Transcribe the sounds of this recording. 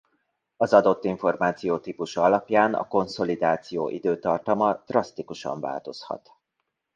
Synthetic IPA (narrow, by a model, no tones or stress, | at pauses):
ɒzɒd̪o̞t̪ːiɱfo̞rmaːt̪sijoːt̪iːpuʃɒɒlɒpjaːnɒ̰ko̞nso̞lid̪aːt̪sijo̰ːʔid̪øːt̪ɒrt̪ɒmɒd̪̥rɒst̪ikuʃɒ̰ɱva̰ːlt̪o̞shɒ̰t̪